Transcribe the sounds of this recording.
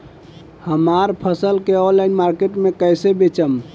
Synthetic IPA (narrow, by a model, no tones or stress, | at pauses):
həmaɾpʰəsəlkeɔnlainmaɾkeʈmekəjsebet͡ʃəm